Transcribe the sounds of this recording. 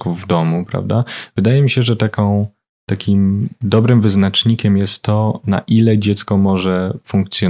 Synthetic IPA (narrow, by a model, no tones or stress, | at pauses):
kuvvd̪ɔmupɾa̰vd̪avɘd̪ajɛmʲiɕɛʐɛt̪akɔ̃w̃ | t̪akʲimd̪ɔbɾɘmvɘznat͡ʂɲikʲɛmjɛst̪ːɔna̰ʔilɛd͡ʑɛt̪skɔmɔʐɛfuŋkt̪sʲjɔ